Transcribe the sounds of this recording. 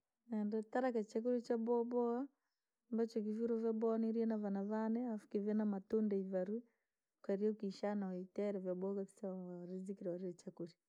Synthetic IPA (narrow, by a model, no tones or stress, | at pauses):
ɛndɛtaɾakat͡ʃak̬uɾit͡ʃabɔbɔa | mbat͡ʃɔkifuɾɔvjabɔaniɾiɛnavanaβanɛafu̥kivɛnamatundaivaɾu | kaɾiɔkiʃanaitɛɾɛvjabɔkaki̥saɾizikiɾaɔɾiɛt͡ʃakuɾi